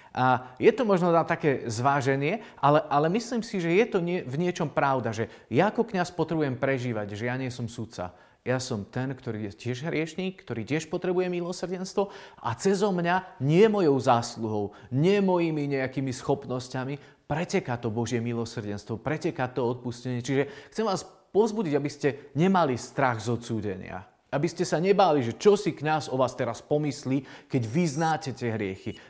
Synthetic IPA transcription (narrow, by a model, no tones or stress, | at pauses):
ʔajɛt̪ɔmɔʒnɔnat̪akɛːzʋaːʒɛnɪɛʔalɛʔalɛmisliːmsiʒɛjɛt̪ɔɲɪɛvɲɪɛt͡ʃɔmpɾaʊd̪aʒɛjaakɔkɲaspɔt̪ɾɛbujɛmpɾɛʒiːʋaɟʒɛjaɲɪɛsɔmsut̪t͡sa̰ | jasɔmt̪ɛnkt̪ɔɾiːjɛcɪɛʒɦɾɪɛʃɲiːkːt̪ɔɾiːcɪɛʃpɔt̪ɾɛbujɛmilˠɔsr̩ɟɛnst̪ʋɔʔa̰t͡sɛzɔmɲaɲɪɛmɔjɔʊzaːsluɦɔʊɲɪɛmɔjimiɲɛakiːmisxɔpnɔscami | pɾɛcɛkat̪ɔbɔʒɪɛmilɔsr̩ɟɛnst̪ʋɔpɾɛcɛkat̪ɔɔt̪̚puscɛɲɪɛt͡ʃiʒɛxt͡sɛmʋaːs | pɔzbuɟiɟabiscɛɲɛmalist̪ɾaɣzɔt͡suːɟɛ̰ɲɪa̰ | ʔabiscɛsaɲɛbaːliʒɛt͡ʃɔsikɲazɔʋaːst̪ɛɾaspɔmisliːkɛɟʋiznaːcɛtɛɦɾɪɛxi